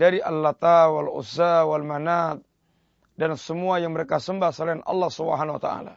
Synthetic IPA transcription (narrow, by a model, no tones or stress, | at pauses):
daɾiʔalːat̪awalṵsawalmanat̪̚ | dansəmuajaŋməɾekasəmbahsəlainʔɑ̰lːɑhsubə̰ɦanwa̰t̪a̰ʔa̰la̰